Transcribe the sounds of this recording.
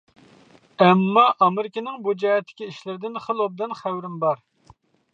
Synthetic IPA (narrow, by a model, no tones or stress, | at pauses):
ɛmːɑʔɑmɪɾɪkʲɪnɪŋbud͡ʒɑjɛt̪ʰːɪ̥kʲiiʃlɪɾɪd̪ɪnχəlˠob̚d̪ɨnχæwɾɪmbɑɾ